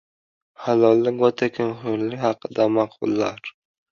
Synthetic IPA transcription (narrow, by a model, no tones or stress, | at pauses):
halɒlˠːɪwɒt̪ʰakʰʲɪmχʊɾlɪkʲhɑqɨd̪amɑqʰʊ̰lˠːaɾ